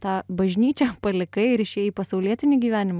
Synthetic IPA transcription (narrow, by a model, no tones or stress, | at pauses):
t̪ɑːbɐʒʲnʲiːt͡ʃʲɛpɐlʲɪkɐɪɪɾɪʃʲeːiːpɐsɐʊlʲiɛt̪ʲɪnʲɪɡʲiːʋʲæːnʲɪm